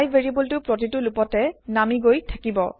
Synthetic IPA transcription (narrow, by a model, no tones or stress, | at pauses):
jvʱeɹibultʊpɹot̬itʊlupɔtɛnamiɡojtʰakibɔ